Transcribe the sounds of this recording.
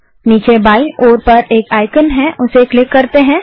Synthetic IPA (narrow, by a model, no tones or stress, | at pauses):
niːt͡ʃebaːioːɾpɐɾeːkaːɪkənɦɛ̃ʔʊseklɪkːɐɾt̪eɦɛ̃ː